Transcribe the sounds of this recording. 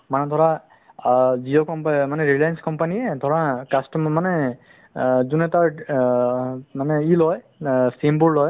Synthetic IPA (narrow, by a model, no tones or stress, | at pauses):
manɛd̪ʱɔɹa | ziokɔmpmanɛɹilajanskɔmpaniɛd̪ʱɔɹakastɔmmanɛ | zunɛtaɹ | manɛilɔj | simbuɹlɔj